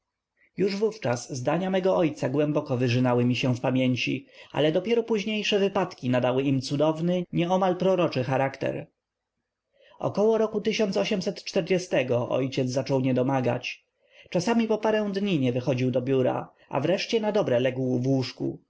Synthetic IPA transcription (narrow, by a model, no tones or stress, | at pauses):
juʐvuft͡ʂaszd̪aɲamɛɡɔʔɔjt̪saɡwɛmbɔkɔvɘʐɘnawɘmʲiɕɛfpamʲjeɲt͡ɕiʔa̰lɛd̪ɔpʲjɛɾɔpuʑɲejʂɛvɘpat̪kʲinad̪awɘimt̪sud̪ɔvnɘɲɛɔmalpɾɔɾɔt͡ʂɘxaɾakt̪ɛ̰ɾ | ɔ̰kɔwɔɾɔkut̪ɘɕɔnsɔɕɛmsɛt̪t͡ʂt̪ɛɾd͡ʑɛst̪ɛɡɔʔɔ̰jt͡ɕɛd̪zzat͡ʂɔwɲɛd̪ɔmaɡa̰t͡ɕ | t͡ʂasamʲipɔpaɾɛ̃w̃d̪ɲiɲɛvɘxɔd͡ʑiwd̪ɔbʲjuɾa̰ | ʔa̰vɾɛʂt͡ɕɛnad̪ɔbɾɛlɛɡwuvwuʂkṵ